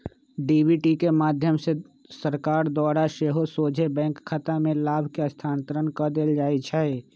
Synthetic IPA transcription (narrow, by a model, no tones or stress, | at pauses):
ɖiːbiʈikemaːd̪ʱjəmse | səɾkaːɾd̪waːɾaʃeːɦosoːd͡ʒʱebɛ̃ːŋkʰːat̪amẽlaːbʱkeəst̪ʰaːnt̪əɾənkəd̪eːld͡ʒaːit͡ʃʰɛe